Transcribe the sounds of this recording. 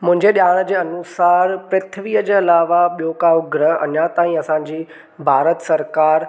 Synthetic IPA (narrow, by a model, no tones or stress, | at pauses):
mʊ̃ɦɪ̃ɲd͡ʑeɗijaːɽ̃d͡ʑeːɐnusaːɾpɾɪt̪ʰəʋiːəd͡ʑeːɐlaːʋaɓijokaːoɡɾəɦɐ̰njat̪aːĩɐsãːɲd͡ʑiː | bʱaːɾət̪sɐɾkaːɾ